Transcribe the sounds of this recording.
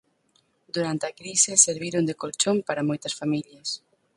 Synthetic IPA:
d̪uɾant̪eakɾisɪseɾβiɾond̪ekolt͡ʃompaɾɐmojt̪ɐsfamiljɐs

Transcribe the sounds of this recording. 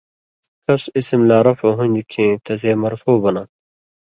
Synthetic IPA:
kɐsisimlaːɾɐfoɦũnʲd͡ʑikʰẽːt̪ɐzeːmɐɾfoːbɐna

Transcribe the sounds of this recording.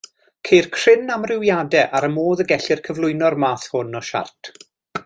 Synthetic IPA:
kʰejrkʰr̥ɪnamrɪwjadɛʔaɾəmoːðəɡɛɬɪrkʰəvlˠʊɨnɔrmaːθhʊnɔʃa̰rtʰ

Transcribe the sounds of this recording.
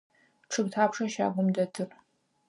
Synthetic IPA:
ʈ͡ʂʰɨbtʰaːpʂɐʃa̰ːɡʷʊmdɐtʰɨr

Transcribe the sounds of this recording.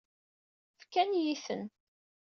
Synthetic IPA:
fkænjiθə̰n

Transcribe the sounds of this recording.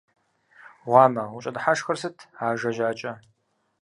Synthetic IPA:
ʁʷɑːmɐʊt͡ʃʼɐdħaʂxɐrsɨtʰaːʒɐʒaːt͡ʃʼɐ

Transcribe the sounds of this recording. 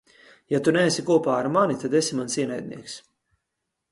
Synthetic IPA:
jat̪unɛːsʲikuɔpaːaɾmanit̪ad̪esimansiɛnɛjd̪̚ʲnʲḭɛks

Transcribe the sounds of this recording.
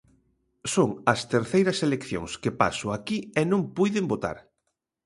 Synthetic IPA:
soŋɐst̪eɾθejɾɐselekθjo̰ŋskepa̰sʊakienõŋpujðembot̪a̰ɾ

